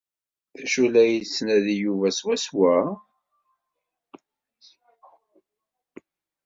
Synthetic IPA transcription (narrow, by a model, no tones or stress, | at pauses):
θæʃulæjisːnæðijuvæswæswæ